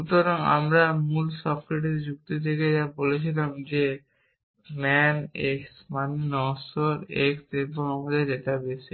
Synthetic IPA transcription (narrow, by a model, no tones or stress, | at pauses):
ut̪oɾoŋa̰mɾamulsɔbkɾeʈ̬iɾd͡ʑuk̚t̪et̪ʰeked͡ʑabolet͡ɕʰilamd͡ʑe | mɛneksmaninɔsoɾekseboŋamad̪eɾeʈabese